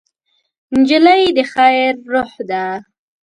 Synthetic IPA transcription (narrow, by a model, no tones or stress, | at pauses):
nd͡ʒəlajd̪əxajɾːʊhd̪a